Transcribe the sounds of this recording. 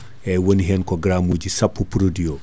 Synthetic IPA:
ɛwoniɦɛnkɔɡɾamuːɟisɐpːupuɾodio

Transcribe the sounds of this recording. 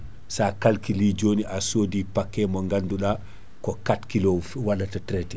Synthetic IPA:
sakalkilid͡ʒoːniʔasoːdipakːɛmɔŋɡanduɗa | kɔkatkilowalːatatɾɛtɛ

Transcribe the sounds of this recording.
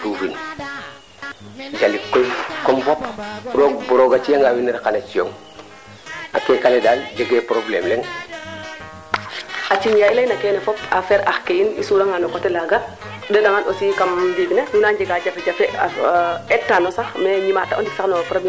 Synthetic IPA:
dufin | d͡ʒalikːojkomfopɾoɡ̚buɾoɡat͡ʃijaŋɡawiniɾkanat͡ʃijo̰ŋ | a̰tekanedaːld͡ʒeɡepɾoblḛːmleŋ | at͡ʃiɲjailajnakenefɔpafeɾaxkejinḭsuɾaŋanokotelaɡa | dedaŋanosikamdiɡnenunanɟeɡaɟafeɟafeaɛtːanosaxmeɲimataʔondiksaknofɾab

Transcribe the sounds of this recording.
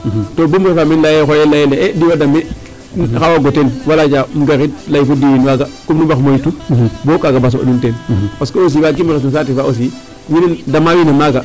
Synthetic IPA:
tobumefaminlajexojelajeleediwadame | xawaɡotenwalat͡ʃamɡaɾit̚lajfodijinwaɡakumnubaxmojitubokaɡabas̬oba̰nuntenkoskoos̬iːwak̬imaos̬nos̬atifaos̬i | winendamawinemaɡa

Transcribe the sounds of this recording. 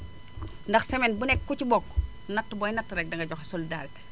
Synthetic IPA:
ndɐxsɛmɛnbunɛkːucibɔkː | nɐtːubɔjnɐtːɾɛk̚dɐŋɡɐɟɔxesolidaːɾik

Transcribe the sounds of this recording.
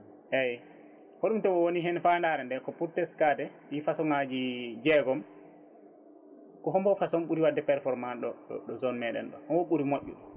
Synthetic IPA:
ʔɛj | hoɗumtɔɔwoniɦɛnfandaɾɛndɛkɔpuɾtɛskadɛɗifasɔŋad͡ʒid͡ʒɛɡɔm | kɔɦɔmbɔfasɔmɓuɾiwadːɛpɛɾfɔɾmanɗɔɗɔzɔnmɛɗɛ̰nɗɔʔɔwoɓuɾimoʔʲːṵɗɔ

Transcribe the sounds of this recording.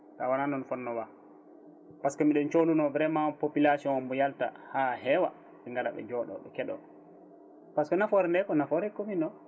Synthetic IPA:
kawananɔnfɔnːɔwa | paskɔmiɗɔnt͡ʃolunɔvɾɛmapopilasiɔnmbɔjalta̰hahɛwa̰ | ɓɛŋɡala̰ɓɛ̰d͡ʒɔɗɔ̰ɗɔkɛɗɔ̰ | paskɔnafɔɾɛndɛkɔnafɔɾɛkominɔ

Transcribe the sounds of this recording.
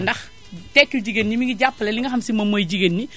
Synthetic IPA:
ndɐx | tɛkːuɟiɡenːimiŋɡiɟapːɐlɛliŋɡɐxɐmsimɐmɐjɟiɡenːi

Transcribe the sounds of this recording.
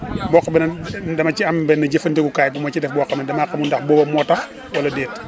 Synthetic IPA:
bɔːkːɐbɛnɐdɐmɐciɐmbɛnɐɟəfɐntɛkukaːjbɔmɔcidɛfbɔkːɐmɛdɐmakɐmundɐxbɔːbɐmɔːtːɐx | wɐlɐdɛːt

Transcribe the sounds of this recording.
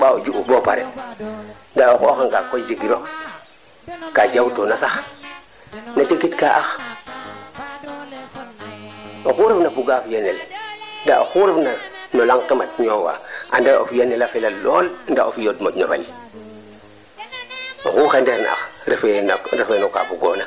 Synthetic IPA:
ɓaod͡ʒuubopa̰ɾḛ | ndaokoxaŋkakod͡ʒiɡiɾo | kad͡ʒawtonasax | nat͡ʃekitkaʔax | oxuɾefnapuɡafjenelndaoxuɾefnanolaŋkemat̚ɲowa̰ʔandao̰fjenːelafelaloːlndao̰fjotmoɲobḛl | o̰xuxendeɾn̰a̰xɾefenɾefenoka̰puɡona

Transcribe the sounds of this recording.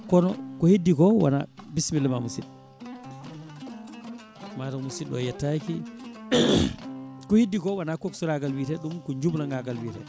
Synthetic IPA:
kɔnɔkɔhidːikɔwa̰na̰bismilːmamusiɗ | matamusilɔ̰jɛtːaki | kɔhidːikɔwanakoksuɾaɡalwitɛɗumkɔɲd͡ʒublaŋɡaɡalwiːtɛ̰

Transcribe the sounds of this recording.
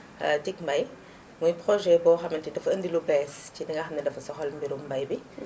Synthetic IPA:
tikmbɐj | ŋujpɾɔʒɛbɔːxɐmɐntidɐfɐəndilubɛscidɐŋɐxɐmnɛdɐfɐsɔxɔlmbiɾumbɐjbi

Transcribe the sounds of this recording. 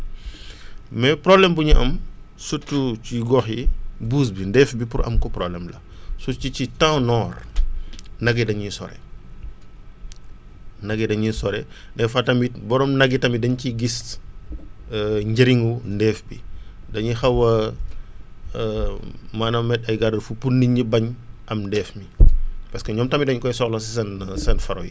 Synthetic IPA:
mɛprɔblɛmbuɲiʔɐmsutːuciɡɔxjibuːs̬bindɛːfbipurʔɐ̰mkɔprɔblɛmlɐ̰ | sut͡ʃicitɐ̃wnɔːr | nɐɡɛdɐɲisɔ̰ɾɛ̰ | nɐɡɛdɐɲisɔɾɛ | nɛfɐtɐmbibɔɾɔmnɐɡitɐmidɐɲciɡis | ɲɟɐɾiŋundɛːfbi | dɐɲixɐwɐ | maːnɐmːɛtɐjɡaɾɐfupunːiɲibɐɲʔɐmndɛːfmipɐskɐɲɔːmtɐmidɐɲkɔjsɔxlɐsisɐnsɐnfɐɾɔ̰ji

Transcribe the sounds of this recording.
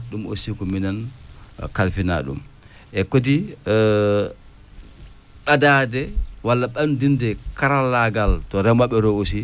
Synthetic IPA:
ɗumo̰sikɔminan | kalfina̰ɗṵm | ʔɛkodi | ɓadadɛwalːaɓandindɛkaɾalːaɡaltɔɾɛmaɓɛɾɔosi

